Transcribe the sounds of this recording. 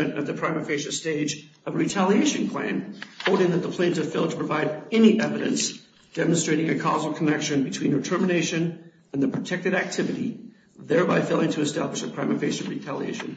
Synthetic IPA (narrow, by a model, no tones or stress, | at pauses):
ɨ̃nɨ̰t̪̚ðɨpʰɹ̥ãɪ̃mɨfeɪʃɨsteɪd͡ʒʌvɹitʰælˠieɪʃɨ̃npʰl̥æ̰̃nhoʊlˠdɪ̃ŋðɨt̪̚ðəpʰl̥æ̃ntʌv̥fɪlˠtʰpʰɹ̥əvaɪɾɛniʔɛvɨɾɨ̰̃ns | d̥ɛmɨ̃nstɹ̥eɪɾɪ̃ŋɨkʰɑzl̩ˠkʰənɛkʃɨ̃nbɨtʰw̥ĩnɹɨtʰɜ˞mɨneɪʃɨ̃n | ɨ̃nðɨpʰɹ̥ɨtʰɛk̚tɨɾæk̚tʰɪvɨɾi | ðɛ˞baɪfeɪlˠɪ̃ŋtʰɨːstæblɨʃɨpʰɹ̥ãɪ̃mɨfeɪʃɨɹitʰælˠiḛɪʃɨ̰̃n